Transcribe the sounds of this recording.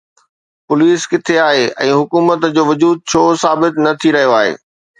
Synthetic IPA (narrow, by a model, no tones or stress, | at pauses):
pʊliːskɪt̪ʰeaːɦeɛ̰̃ːɦʊkuːmət̪d͡ʑoːʋʊd͡ʑuːd̪̚t͡ɕʰoːsaːbɪt̪nɐt̪ʰiɾɐɦijoaːɦḛː